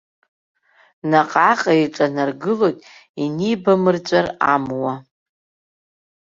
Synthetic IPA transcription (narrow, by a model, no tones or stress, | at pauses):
naqʼaqʼaiʈ͡ʂʼanarɡɨlo̞jtʼinijbamɨrt͡ɕʷʼaramwa